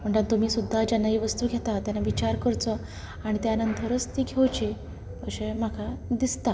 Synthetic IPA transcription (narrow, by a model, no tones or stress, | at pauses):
m̤əɳʈant̪umiːsud̪ʱːad͡ʑanːaɦiːʋəst̪uːɡʱet̪at̪janːaʋit͡ɕaɾkəɾt͡sɔ | aɽ̃it̪eanənt̪ʰəɾət͡st̪iːɡʱewt͡ɕiː | ə̰ɕem̤akʰad̪ist̪a